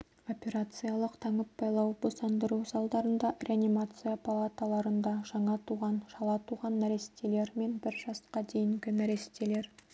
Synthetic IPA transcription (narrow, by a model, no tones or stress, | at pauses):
o̞pʲe̞ɾat̪sɨjalˠəqt̪ʰɑɴəpbɑjlˠɑwbo̞sɑnd̪əɾuwsɑlˠd̪ɑɾənd̪ɑrʲeanimat̪sɨjapʰalˠat̪alˠɑɾənd̪ɑʒɑɴɑt̪ʰuʁɑnʃɑlˠɑt̪ʰuʁɑnːæɾe̞se̥t̪ele̞ɾme̞nbɪɾʒɑsqɑd̪e̞jɪŋɡʲɪnæɾe̞st̪e̞le̞ɾ